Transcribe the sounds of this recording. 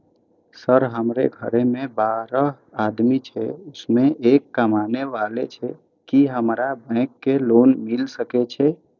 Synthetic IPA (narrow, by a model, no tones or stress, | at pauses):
səɾɦəmɾḛɡʱəɾemẽbaɾə | ad̪mit͡ʃʰɛ̰ʊsmẽʔekːəmaneʋalḛt͡ʃʰɛ | kiɦəmɾabɛ̃kːelonmilsəket͡ʃʰɛ